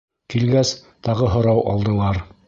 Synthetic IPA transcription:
kilɡæs | t̪ɑʁɤɦŏɾɑwʔɑ̰lˠd̪ɤ̆lˠɑɾ

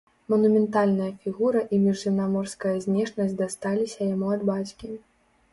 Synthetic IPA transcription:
mɐnumʲɛnt̪alʲnɐjɐfʲiɣuɾɐʔimʲiʐːɨmnamɔrskɐjɐzʲnʲɛʂnɐsʲd̪ast̪alʲisʲɐjamuɐd̪bat͡sʲkʲi

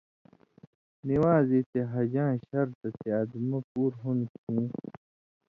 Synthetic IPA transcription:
niwãːzit̪eɦɐd͡ʑãːɕɐɾt̪ɐt̪eɐd̪mɐpuːɾɦunkʰũː

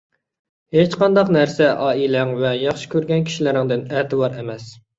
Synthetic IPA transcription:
het͡ʃqɑnd̪ɑqnæɾsɛʔɑːilæŋvɛjɑχʃɪ̥kʲøɾɡʲɛnkʲi̥ʃilɪɾɪŋd̪ɪnæt̪ɨwɑɾemɛs

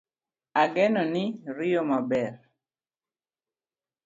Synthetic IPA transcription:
aɡɛnɔnɪɾɪjɔmabɛr

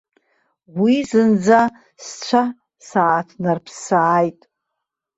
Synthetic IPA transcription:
wizɨnd͡za | st͡ɕʷʰa | saːtʰnarpʰsaːjtʼ

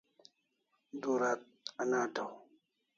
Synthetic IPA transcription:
duɾat̚anadaw

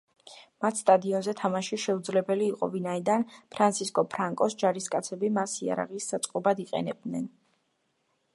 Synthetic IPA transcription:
mat̪ʰst̪ʼad̪iɔnzɛt̪ʰamaʃiʃɛud̪zlɛbɛliːqʼɔ̰vinaid̪anpʰɾant̪sʰiskʼɔpʰɾaŋkʼɔsd͡ʒaɾiskʼat̪sʰɛbimasia̰ɾa̰ʁisːat̪sʼqʼɔbad̪iqʼɛ̰nɛb̚d̪nɛn

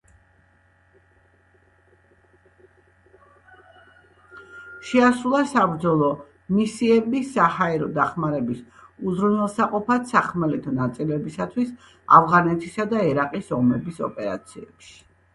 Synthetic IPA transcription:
ʃɛasulˠasabɾd̪zɔlˠɔ | misiɛbisahaɛɾɔd̪aχmaɾɛbis | uzɾunɛlˠsaqʼɔpʰat̪saχmɛlɛt̪ʰɔnat̪sʼilɛbisat̪ʰwis | a̰vʁanɛt̪ʰisad̪aɛɾaqʼisɔmɛbisɔ̰pʼɛɾa̰t̪sʰiɛ̰pʃi̥

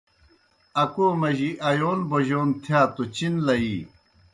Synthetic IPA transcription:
ɐkoːmɐʑiʔɐjoːnboʑoːnt̪ʰjaːt̪ot͡ɕinlɐi

